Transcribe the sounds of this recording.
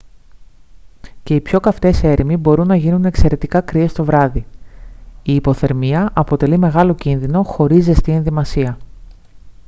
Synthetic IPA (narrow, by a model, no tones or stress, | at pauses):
ce̞ipço̞kɐft̪e̞se̞ɾʔimibo̞ɾunːɐʝinune̞kse̞ɾe̞t̪ikɐkɾie̞st̪o̞vɾɐði | iːpo̞θe̞ɾmiɐʔɐpo̞t̪e̞lime̞ɣɐlo̞cinðino̞xo̞ɾizðe̞st̪ie̞nðimɐsiɐ